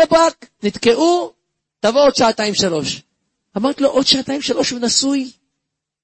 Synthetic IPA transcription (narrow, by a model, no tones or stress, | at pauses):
ebaknit̪keʔu | t̪avood̪ʃaat̪aimʃalo̞ʃ | amaʁt̪lo̞ʔod̪̥ʃaːt̪aimʃalo̞ʃvenasuj